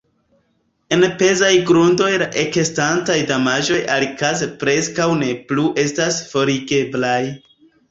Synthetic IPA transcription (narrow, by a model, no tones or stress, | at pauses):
e̞npe̞zajɡɾundo̞jlaʔe̞kestantajdamaʒo̞jalikazepɾe̞skawne̞pluʔe̞stasfo̞ɾiɡe̞blaj